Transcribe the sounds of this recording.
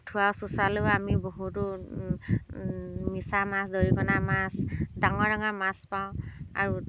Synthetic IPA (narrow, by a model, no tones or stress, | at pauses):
tʰuwawsusaloamiboɦutʊ | misamasdoɹikɔnamasdaŋɔɹdaŋɔmaspaʊ̃a̰ɹu